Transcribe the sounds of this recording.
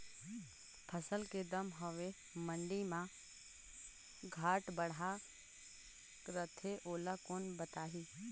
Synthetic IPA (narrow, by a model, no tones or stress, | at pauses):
pʰəsəlked̪əmɦɔʋe | mə̃ɳɖimã | ɡʱaːʈbəɽa | kɾət̪ʰeʔoːlakoːnbət̪aːɦiː